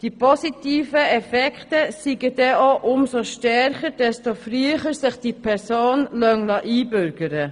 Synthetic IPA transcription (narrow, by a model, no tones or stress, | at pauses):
d̥ipʰɔsitiːfəɛfɛkχtəsiɡəd̥ɛʔoʔʊmsoʃtɛɾχəd̥ɛstofryəχəɾsɪχd̥ipʰɛɾsoːnlœŋlɑʔiːbʏɾɡ̥əɾə